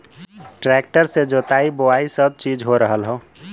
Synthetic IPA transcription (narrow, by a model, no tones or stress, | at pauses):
ʈɾɛk̚ʈəɾsed͡ʒoːt̪aiboaisəb̚t͡ʃiːd͡ʒɦoɾəɦəlɦõ